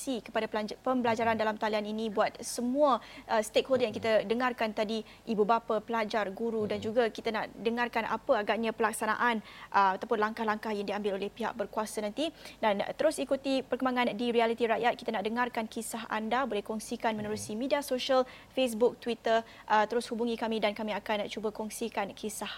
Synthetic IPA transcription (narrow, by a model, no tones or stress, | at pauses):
sikə̥padapəmbəlad͡ʒaɾandalamt̪alianinĩbuat̪̚səmũaəst̪ekholdjaŋkit̪adəŋarkant̪adi | ibubapapəlad͡ʒarɡuɾudand͡ʒuɡakit̪ana̰ʔdəŋarkana̰pəaɡaʔ̚ɲãpəlak̚sana̰ʔanʔəat̪awpʊnlaŋkahlaŋkahjaŋdiambɪlolɛhpiɦa̰ʔ̚bərkuasanant̪idan̰t̪əɾʊsikut̪ipərkəmbaŋãndiɾialit̪iɾaʔjat̪̚ki̥t̪aənaʔdəŋarkankisaɦa̰ndabolɛhkɔŋsikanmə̃nəɾusimidiasoʃəlfes̬buk̚t̪wit̪ərʔət̪əɾʊshubuŋĩkamĩdankamĩakant͡ʃubəkɔŋsikankʰisah